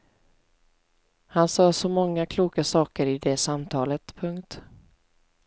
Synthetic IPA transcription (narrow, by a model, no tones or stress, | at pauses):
hansɑːsɔmɔŋːakʰluːkasɑːkəɾɪd̪ɛsamt̪ʰɑːlət̪pʰɵŋkt̪